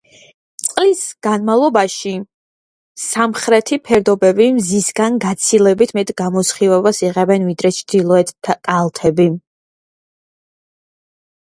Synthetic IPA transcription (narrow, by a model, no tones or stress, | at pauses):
t̪sʼqʼlisɡ̥anmavlˠɔbaʃi | samχɾɛt̪ʰipʰɛɾd̪ɔbɛbimzisɡanɡat̪sʰilɛbit̪ʰmɛt̪ʼɡamɔsχivɛbasiʁɛbɛnvid̪ɾɛt͡ʃʰd̪ilˠɔɛt̪ʰakʼalˠt̪ʰɛbi